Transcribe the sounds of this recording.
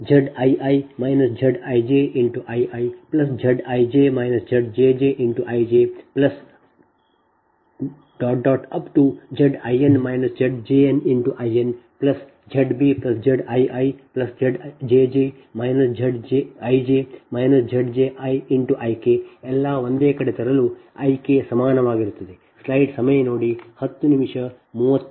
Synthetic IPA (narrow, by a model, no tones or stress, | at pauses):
d͡ʒəɖajʔajmajnəsd͡ʒəɖajd͡ʒeʔɪ̃ɳʈuʔajʔaiplɐsd͡ʒɐɖajd͡ʒemaɪnəsd͡ʒɐɖd͡ʒed͡ʒeʔɪ̃ɳʈuʔajd͡ʒeplɐs | ɖ̥ɔːʈ̚ɖɔʈɐpʈud͡ʒəɖa̰jenmaɪnəsd͡ʒəɖd͡ʒeɛ̃nɪ̃ɳʈuʔajenplɐs | d͡ʒɐɖbiplɐsd͡ʒɐɖɐjɐjplɐsd͡ʒɐɖd͡ʒeːd͡ʒe | majnɐsd͡ʒʱɐɖd͡ʒeɐjd͡ʒemɐjnɐsd͡ʒʱɐɖd͡ʒeʔajiɳʈuʔɐjkeɛlːaʋond̪eːkɐɽet̪ʰɐɾɐluɐ̰jkesɐmaːnɐʋaːɡiɾut̪ɐd̪e | slɐjɖsɐmɐjenoːɽihɐt̪ːunimʂɐ | muːʋɐt̪ː